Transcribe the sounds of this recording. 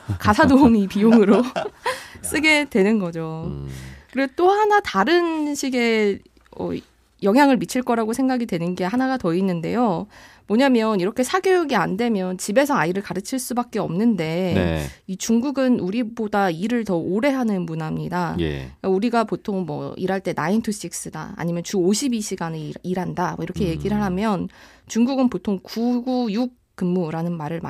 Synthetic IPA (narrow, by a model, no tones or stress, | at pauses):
kasʰadoumipijoŋɯɾo | s͈ɯɡe̞dwe̞nɯnɡʌd͡ʑo | kɯɾeot͈ohanataɾɯnɕʰiɡe̞ | ʌ̰ | jʌŋɦjaŋɯɭmit͡ɕʰiɭk͈ʌɾaɡosʰe̞ŋɡaɡidwe̞nɯnɡe̞ɦanaɡatʌinːɯnde̞̰jomʌɲamjʌniɾʌkʰe̞sʰaɡjoɡiande̞mjʌnt͡ɕibe̞sʰʌaiɾɯɭkaɾɯt͡ɕʰiɭs͈ubak͈̚e̞ʌ̰mnɯnde̞ | it͡ɕuŋɡuɡɯnuɾibodaiɾɯɭtʌoɾe̞ɦanɯnmunamɲidajḛkauɾiɡapotʰoŋmwʌ̰ḭɾɦaɭt͈e̞naintʰuɕ͈ik̚s͈ɯda̰a̰ɲimjʌnt͡ɕuoɕʰibiɕʰiɡaniiɾɦandamʌiɾʌkʰe̞je̞ɡiɾɯɭɦamjʌn | t͡ɕuŋɡuɡɯnpotʰoŋkuɡujuk̚ | k͈ɯmːuɾanɯnmaɾɯɭma̰